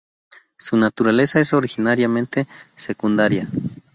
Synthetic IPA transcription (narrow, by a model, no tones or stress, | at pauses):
sunat̪uɾale̞saesoɾixinaɾjamẽ̞nt̪esekund̪aɾja